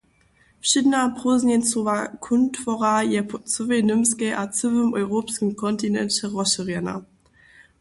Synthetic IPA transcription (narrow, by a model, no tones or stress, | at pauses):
fɕɪdnapʁoznɛnt͡sovakʰʊntfɔʁajɛpʰɔt͡səvenɪmskɛjʔat͡səvəmɔʏʁoːpskəmkʰɔntinɛ̰nt͡ɕɛʁɔɕəʁjɛna̰